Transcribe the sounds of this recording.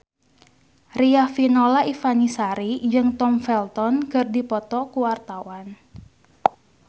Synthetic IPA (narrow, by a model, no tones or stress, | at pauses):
riafinɔlaʔifanisaɾid͡ʒɨŋt̪ɔmfɛlt̪ɔnkɨrdipɔt̪ɔkuwart̪awan